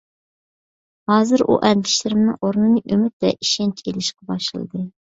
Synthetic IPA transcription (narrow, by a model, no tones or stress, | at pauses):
hɑːzɨɾʔṵʔɛnd̪ɪʃlɪɾɪmnɨŋoɾnɨnɨʔømyt̪̚d̪ɛ̰ʔi̥ʃɛnt͡ʃʰelɪʃqɑbɑʃlɨlˠɨ̰d̪ɨ